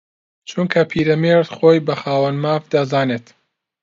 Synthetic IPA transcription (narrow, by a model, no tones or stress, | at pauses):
t͡ʃʰunkʰɐpʰiːɾɐmeɾt̪χojbɐχaːwɐnmaːfd̪azaːneːt̪